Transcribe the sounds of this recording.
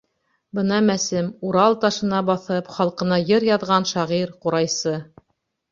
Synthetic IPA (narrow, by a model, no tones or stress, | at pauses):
bɤnɑmæsɘmuɾɑlˠt̪ɑʃɤ̆nɑbɑθɤpχɑlˠqɤ̆nɑjɤɾjɑðʁɑnʃɑʁiɾquɾɑjsɤ